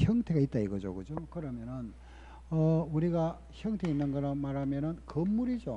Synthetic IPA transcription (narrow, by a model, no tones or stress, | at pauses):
çjʌŋtʰe̞ɡait͈̚aiɡʌd͡ʑo̰ɡɯd͡ʑokɯɾʌmjʌnɯn | ʌuɾiɡa | çjʌŋtʰe̞inːɯnɡʌɾamaɾamjʌnɯnkʌmːuɾid͡ʑo